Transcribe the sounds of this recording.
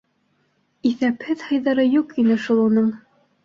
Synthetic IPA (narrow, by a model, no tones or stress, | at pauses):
iθæphɘðhɤ̆jðɑɾɤjuqinɘʃulˠunɤɴ